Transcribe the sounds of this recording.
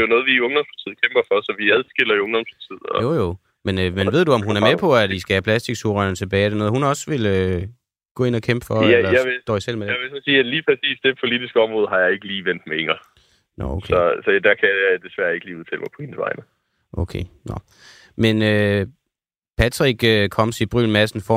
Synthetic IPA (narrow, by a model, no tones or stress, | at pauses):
d̥ejo̝nɔ̽ːðˠʋiɔ̽ŋd̥ɒ̽mspʰɑ̈t͡sʰið̞̰̩ˠkʰemb̥ɐfɒsɒ̽ʋiæðˠsɡ̥el̰ɐiɔ̽ŋd̥ɒ̽mspʰɑ̈t͡sʰið̰ˠɒ̰jojo̝ | menømenʋe̝ð̞̰ˠd̥uɒ̽mɦhunæɐmepʰɒ̽æisɡ̥æhæpʰlæsd̥iɡ̥sʰuʁɑnət͡sʰe̝b̥ɛ̰ːedenɔ̽ːðˠɦhunɒ̽sʋe̝lø | ɡ̥ɔ̰ːe̝nɒ̽kʰemb̥əfɒjælɐjɑʋed̥ɒ̰ːisel̰medejɑɪʋe̝sɒnsiːæ̥liːpʰʁɛsḭːsd̥e̝pʰo̝lidisɡ̥əɒ̽mʁɔ̽ːð̞̩ˠɦɑ̈jɑ̈ɪe̝ɡ̥əliːʋen̰d̥meeŋɐ | nɒ̰okʰeɒsɒd̥ækʰæjajad̥e̝sʋæɐe̝ɡ̥əliːuð̞ˠt͡sʰɛ̰ːlmɑ̈ɪɒ̽he̝nsʋɑ̈ɪnə | ʔokʰḛːnɒ̰ | menø | pʰæt͡sʰʁiɡ̥økʰɒ̽m̰sib̥ʁylmæsn̩fɒ